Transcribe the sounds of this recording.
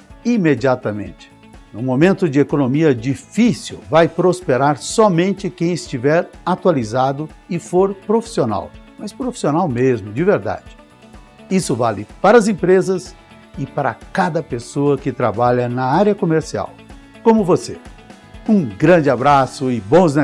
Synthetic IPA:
imed͡ʒiat̪ɐmḛ̃nt͡ʃɪ̥ | nʊ̰momẽnt̪ʊd͡ʒɪekonomiɐd͡ʒifisḭwvajpɾospeɾaɾsɔmẽnt͡ʃɪkẽj̃ɪst͡ʃivɛɾat̪walizad̪ʊɪfoɾpɾofi̥siona̰wmɐspɾofi̥sionawmezmʊd͡ʒɪveɾd̪a̰d͡ʒɪ̥ | isʊvalɪpaɾɐzẽpɾezɐs | ɪpaɾɐ̰kad̪ɐpesoɐkɪt̪ɾa̰baʎɐnɐaɾjɐkomeɾsia̰w | kõmʊvose | ũɡɾɐ̃d͡ʒɪabɾasʊɪbõznɐ

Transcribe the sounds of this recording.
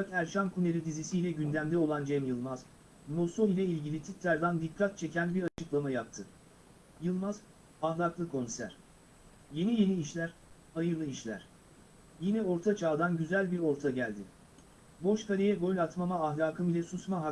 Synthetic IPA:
akæɾʃankʰuneɾid̪izisiːlʲɛɟynd̪æmd̪ɛo̞lˠand͡ʒɛmjɯlˠmaz | mo̞soilʲɛilʲɟilʲit̪ʰit̪ʰlʲæɾd̪and̪ipɾat̪̚t͡ʃʰe̞cʰænbiɾat͡ʃʰɯklˠamajap̚t̪ʰɯ | jɯlˠmaz | ahlˠaklˠɯkʰo̞nsæ̰ɾ̥ | je̞nije̞niːʃlʲæɾhajɯɾlˠɯiʃlʲæ̰ɾ̥ | jinɛo̞ɾt̪ʰat͡ʃʰaːd̪anɟyzælʲbiɾo̞ɾt̪ʰaɟælʲd̪ɪ | bo̞ʃkaɾʲejɛɡo̞lʲat̪mamaːɦlʲaːkʰɯmilʲɛsusmaɦak

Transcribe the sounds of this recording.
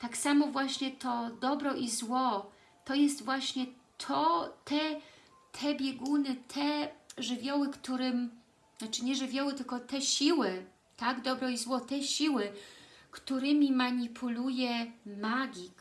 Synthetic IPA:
t̪aksamɔvwaɕɲɛt̪ɔd̪ɔbɾɔʔizwɔ | t̪ɔjɛst̪vwaɕɲɛ | t̪ʰɔt̪ʰɛ | t̪ʰɛbʲjɛɡunɘt̪ʰɛʐɘvʲjɔwɘkt̪uɾɘm | at͡ʂɘɲɛʐɘvʲjɔwɘt̪ɘlkɔt̪ɛɕiwɘ | t̪aɡd̪ɔbɾɔizwɔt̪ɛɕiwɘkt̪uɾɘmʲimaɲipʰulujɛmaɡʲik

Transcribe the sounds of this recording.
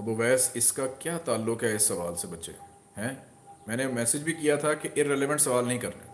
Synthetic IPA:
ɐboʋɛːsɪskakjaːt̪aːlːʊkɦɛɪsːɐʋaːlsebɐtːʃḛ | ɦɛ̃ː | mɛ̃ːnemɛːsɪd͡ʒbʱikijat̪ʰakeʔɪɾɾeleʋə̃ɳʈsɐʋaːlnɐɦĩkɐɾnḛː

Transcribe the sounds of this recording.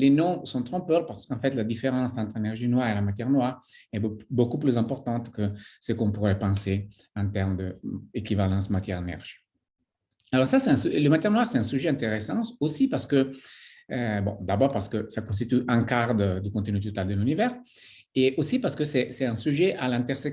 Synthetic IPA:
lenɔ̃sɔ̃t̪ʁɔ̃pøʁpaʁsə̥kɑ̃fɛt̪lad̪ifeʁɑ̃sɑ̃nt̪ʁenɛʁʒinwaʁelamat̪jɛʁnwaʁɛbbokuplyzɛ̃mpɔʁt̪ɑ̃t̪kəsəkɔ̃puʁɛpɑ̃se | ɑ̃t̪ɛʁmd̪əekivalɑ̃smat̪jɛʁnɛ̰ʁʒ̥i̥ | alɔʁsasɛt̪ɛ̃sləmat̪jɛʁnwaʁsɛt̪ɛ̃syʒɛɛ̃nt̪eʁesɑ̃osipaʁsə̥kə | bõ̰d̪abɔʁpaʁsə̥kəsakɔ̃st̪it̪yʔɛ̃kaʁd̪d̪əkɔ̃nt̪ənyt̪ot̪ald̪əlynivɛʁ | eosipaʁsə̥kəsɛsɛt̪ɛ̃syʒɛʔalɛ̃nt̪ɛʁsɛk

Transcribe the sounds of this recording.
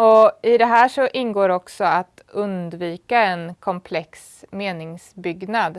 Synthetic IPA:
ɔɪd̪ɛɦæːʂɔʔɪnːɡoːɾɔksɔat̪ | ɵnd̪viːkaɛnkʰɔmpʰlɛks | meːnɪŋsbʏɡnad̪

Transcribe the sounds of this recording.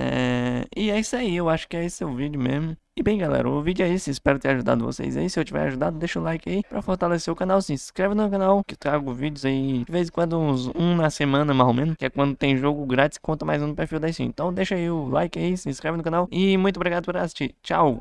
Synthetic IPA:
ɛ̰ɪɛisaiewaʃʊ̥kɪɛisɛʊvid͡ʒʊmezmʊ | ɪbẽj̃ɡalɛ̰ɾɐ̰ʊvid͡ʒʊɛisɪispɛɾʊkt̪eɾaʒud̪a̰d̪ʊvo̰sḛjza̰isɪewt͡ʃivɛ̰ɾa̰ʒud̪ad̪ʊd̪eʃʊlajkɪaipɾɐfoht̪aleseʊkãnawsĩskɾevɪnʊmewkãnawkɪt̪ɾaɡʊvid͡ʒʊzaid͡ʒɪvezẽkwɐ̃d̪ʊũzũnɐsemɐ̃nɐmajzomẽnʊkɪɛkwɐ̃nd̪ʊt̪ẽj̃ʒoɡʊɡɾat̪ɪ̥skõt̪ɐmajzũpeɾfiwd̪aisḭ̃ḛ̃t̪ɐ̃w̃d̪eʃaiʊlajkɪaisɪĩskɾɛvɪnʊkãnawɪmũj̃t̪obɾiɡad̪ʊpoɾasi̥ʃt͡ʃit͡ʃa̰w

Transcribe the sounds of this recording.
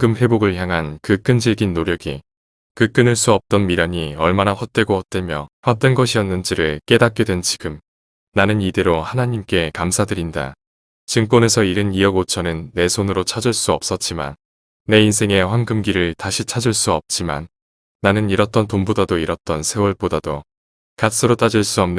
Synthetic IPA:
ɡɯmɸe̞boɡɯɭçjaŋɦankɯk͈ɯnd͡ʑiɭɡinːoɾjʌɡi | kɯk͈ɯnɯɭs͈uʌp̚t͈ʌnmiɾaɲiʌɭmanaɸwʌt̚t͈e̞ɡohʌt̚t͈we̞mjʌɸwat͈wenɡʌɕʰijʌnːɯnd͡ʑiɾɯɭk͈e̞dak͈jʌdwe̞nt͡ɕi̥ɡɯm | nanɯnideɾohanaɲimk͈e̞kamsʰadɯɾinda̰ | t͡ɕɯŋk͈wʌne̞sʰʌiɾɯniʌɡot͡ɕʰʌnɯnːe̞sʰonɯɾot͡ɕʰad͡ʑɯɭs͈uʌp̚s͈ʌt̚t͡ɕ͈ima̰nː | e̞insʰe̞ŋe̞ɸwanɡɯmɡiɾɯɭtaɕʰit͡ɕʰad͡ʑɯɭs͈uʌp̚t͡ɕ͈ima̰nː | anɯniɾʌt̚t͈ʌntombodadoiɾʌt̚t͈ʌnsʰe̞wʌɭp͈odado | kas͈ɯɾot͈ad͡ʑiɭs͈uʌmnɯ

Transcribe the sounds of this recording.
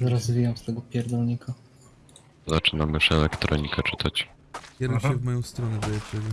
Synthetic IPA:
zaɾazvʲijɔnst̪ɛɡɔpʲjɛɾd̪ɔlɲika | zat͡ʂɘnamɘʂɛlɛkt̪ɾʔɔ̰ɲikʰɛt͡ʂɘt̪ʰat͡ɕ | kʲɛd̪ɪɕɛvmɔjɔ̃w̃st̪ɾɔnɛb̪ɛjɛt͡ɕɛɡʲɛ

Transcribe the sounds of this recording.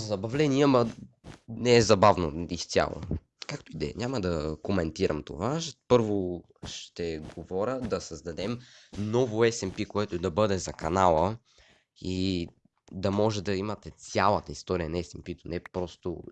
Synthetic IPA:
zɐbɐvlɛniɛmɐ | nɛɛzɐbavnoist̪sʲa̰lˠo̰ | kakt̪oid̪ɛɛ̰ɲʲamɐd̪ɐkomɛnt̪iɾəmt̪o̰vaʃpɤɾvo | ʃt̪ɛɡovɔɾʲəd̪ɐsɐzd̪ɐd̪ɛmnɔvʊɛsɛmpikoɛt̪ʊd̪ɐbɤd̪ɛzɐkɐnalˠə | i | d̪ɐmɔʒɛd̪ɐimɐt̪ɛt̪sʲjalˠət̪əist̪ɔɾiənɛsɛmpit̪onɛpɾɔst̪o̰

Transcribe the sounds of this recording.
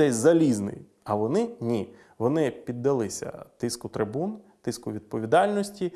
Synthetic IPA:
ɛsʲzɐlʲiznɪ̰j | ɐʋɔnɪnʲi | ʋɔnɪpʲid̪ːɐlˠɪsʲɐ̰t̪ɪskʊt̪ɾɪbunt̪ɪskʊʋʲid̪̚pɔʋʲid̪ɑlʲnɔsʲtʲi

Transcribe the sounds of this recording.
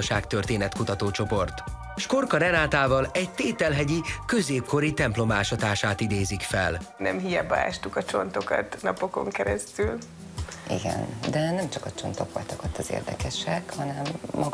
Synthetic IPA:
ʃaːkt̪ørt̪eːnɛt̪kut̪ɒt̪oːt͡ʃo̞po̞rt̪ | ʃko̞rkɒɾɛnaːt̪aːvɒlɛɟt̪eːt̪ɛlɦɛɟikø̞zeːp̚kʰo̞ɾit̪ɛmplo̞maːʃɒt̪aːʃaːt̪id̪eːzikfɛlnɛmɦijɛbaaaːʃt̪ukɒt͡ʃo̞nt̪o̞kɒ̰t̪nɒpo̞ko̞̰ŋkɛɾɛst̪yl | ḭɡɛ̰nd̪ɛnɛmt͡ʃɒkɒt͡ʃo̞nt̪oko̰lt̪okɒt̪ɒzḛːrd̪ɛkɛʃɛkhɒnɛmːɒ

